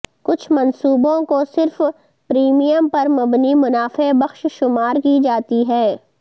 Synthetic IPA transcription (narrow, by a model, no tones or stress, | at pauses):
kʊt͡ʃʰmɐ̃nsuːbõkosɪɾf | pɾiːmijəmpɐɾmɐbnimʊnaːfebɐxʃʃʊmaːɾkid͡ʒaːt̪iɦɛː